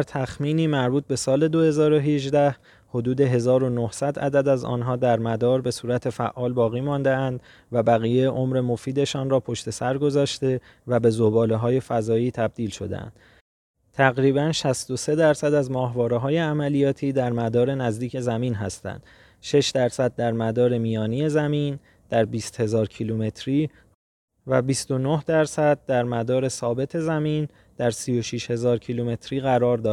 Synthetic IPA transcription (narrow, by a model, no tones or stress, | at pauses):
æɾt̪ʰæxmiːniːmæɾbuːt̪̚be̞sɒːle̞d̪o̞he̞zɒːɾo̞ɦeʒd̪æh | ho̞d̪uːd̪e̞ɦe̞zɒːɾo̞nohsæd̪æ̰d̪æd̪æzɒ̰ːnɦɒːd̪æɾmæd̪ɒːɾbe̞suːɾæt̪ʰe̞fæ̰ʔɒːlbɒːɣiːmɒnd̪e̞ænd̪ | væbæɣiːjeʔo̞mɾe̞mo̞fiːd̪e̞ʃɒːnrɒːpʰo̞ʃt̪e̞sæɾɡo̞zɒːʃt̪e̞ | væbe̞zobɒːleɦɒːje̞fæzɒːiːt̪ʰæb̚d̪iːlʃo̞̰d̪ḛæ̰nd̪̥ | t̪ʰæɣɾiːbænʃæst̪ose̞d̪æɾsæd̪æzmɒːɦvɒːɾeɦɒːje̞æmælijɒːt̪ʰiːd̪æɾmæd̪ɒːɾe̞næzd̪iːcʰe̞zæmiːnɦæ̰st̪æ̰nd̪̥ | ʃe̞ʃd̪æɾsæd̪̚ːæɾmæd̪ɒːɾe̞miːjɒːnije̞zæmiːn | d̪̥æɾbiːst̪he̞zɒːɾcʰilume̞t̪ʰɾiː | væbist̪o̞nohd̪æɾsæd̪̚d̪æɾmæd̪ɒːɾe̞sɒːbe̞t̪ʰe̞zæmiːn | d̪̥æɾsijo̞ʃiʃhe̞zɒːɾcʰilume̞t̪ʰɾiːɣæɾɒːɾd̪ɒːd̪